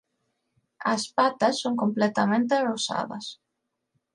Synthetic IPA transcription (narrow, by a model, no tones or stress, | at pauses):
ɐ̰spat̪ɐsːoŋkomplɛt̪ɐmẽnt̪erosa̰ðɐ̰s